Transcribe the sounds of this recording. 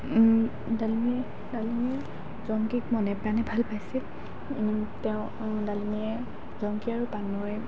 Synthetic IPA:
dalimi | dalimi | zɔŋkikmɔnɛbanɛbʱalpajsil | tɛʊ̃ | daliniɛ | zɔŋkiaɹupanɔj

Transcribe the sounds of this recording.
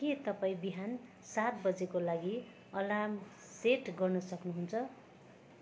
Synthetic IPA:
ket̪ʌpaĩbiɦan | sat̪̚bʌd͡zekolaɡi | ʌlam | seʈɡʌrnʌsʌknuɦunt͡sʰʌ

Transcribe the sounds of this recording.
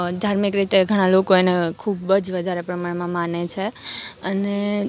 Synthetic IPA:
d̪ʱaɾmikɾit̪eɡʱəɽ̃ãlokoenekʰubəd͡ʒʋəd̪ʱaɾepɾəmaɽmãmanet͡ʃʰeəne

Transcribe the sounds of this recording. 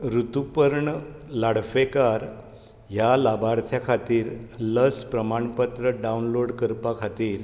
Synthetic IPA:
ɾut̪upəɾɳəlaɽfekaɾ | ɦjalabaɾt̪ʰjakʰat̪iːɾləspɾəmaɳpət̪ɾəɖaunloɽkəɾpakʰat̪iːɾ

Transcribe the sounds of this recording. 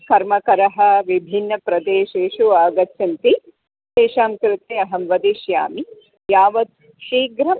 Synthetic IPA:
kɐɾmɐkɐɾɐɦɐ̆ʋibʱinːɐpɾɐd̪eːʃeːʃuaːɡɐt̪jɐnt̪i | ʃeːʃaːmkɾɪt̪eːɐɦɐmʋɐd̪iʃja̰ːmi | jaːʋɐt̪̚ | ʃiːɡɾɐm

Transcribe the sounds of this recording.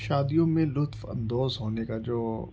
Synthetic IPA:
ʃaːd̪ijõmẽlʊt̪fɐ̰̃nd̪oːzɦoːnekad͡ʒoː

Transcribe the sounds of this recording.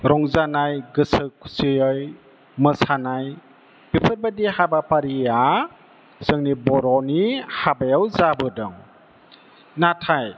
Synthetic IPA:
ɾɔŋzanajɡɯsɯkʰu̥sijɔj | mɯsanaj | bipʰɯɾbadihabapaɾia | z̥ɯŋnibɔɾɔnihabajawzabɯdɔŋ | natʰaj

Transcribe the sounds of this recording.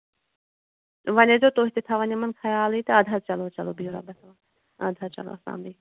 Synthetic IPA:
ʋɐned͡ʒoːt̪oːɦit̪et̪ʰaʋɐnʲemɐnkʰɐjaːliːt̪ɐɐd̪ʱɐɾt͡ʃɐloːt͡ʃɐloːbiuɾa̰bɐt̪ʰː | ɐd̪ʱɐɾt͡ʃɐ̰lo̰ːɐsa̰ːmbi

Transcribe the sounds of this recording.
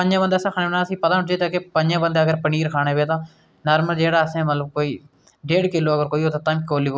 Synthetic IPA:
əɲd͡ʒãːbənd̪eːsãkʰaːnẽbəɳaːsĩːpət̪aːd͡ʒeːt̪aːkepəɲd͡ʒãːbənd̪eːəɡəɾpəniːɾkʰaːɽ̃eːʋeːt̪ãː | naːɾməld͡ʒeːɽaːəsẽːmət̪ləb̚koːiː | ɖeːɽkɪloːəɡəɾkoːiːɦoːt̪ãːt̪ãːmikoːliːo

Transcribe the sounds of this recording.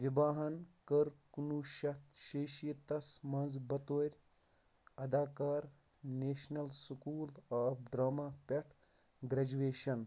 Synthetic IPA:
ʋʲibaːɦɐnkɐɾkunuːʃɐt̪ʃeːʃiːt̪ɐsmɐnzbɐt̪oːɾʲ | ɐd̪aːkaːɾ | neːʃnɐlsukuːlaːpɖɾaːmaːpʲɐʈʰ | ɡɾɐd͡ʒuʋeːʃɐn

